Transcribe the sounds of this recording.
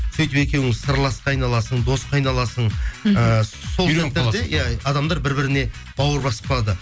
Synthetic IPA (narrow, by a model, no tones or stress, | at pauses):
sɵjt̪ɪpe̞kʲe̞wɪŋsəɾlˠɑsqɑjnɑlˠɑsəɴd̪o̞sqʰɑjnɑlˠɑsəɴəso̞lˠsæt̪ːeɾd̪ejaɑd̪ɑmd̪ɑɾbɪɾbɪɾɪne̞ | b̥ɑwəɾbɑsə̥p̚qʰɑlˠɑd̪ə